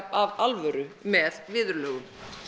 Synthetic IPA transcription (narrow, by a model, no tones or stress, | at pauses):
pavalvœɾʏmɛðvɪːðʏɾlœːɣʏm